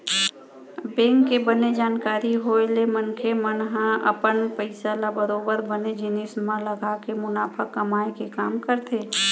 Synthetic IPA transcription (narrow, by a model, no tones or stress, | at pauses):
bẽːŋkːebəned͡ʒaːnkaːɾiɦoːelemənkʰemənɦãʔɐ̰pənpəɪsalabəɾoːbəɾbəned͡ʒɪnɪːsmãləɡakemʊnaːfʰəkːɐmaːekekaːmkəɾt̪ʰeː